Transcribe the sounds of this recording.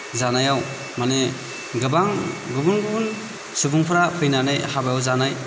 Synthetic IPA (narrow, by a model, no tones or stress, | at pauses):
zanajaw | mane | ɡɯbaŋɡɯbunɡɯbun | subuŋpʰaɾapʰɯjnanajhabajawzanaj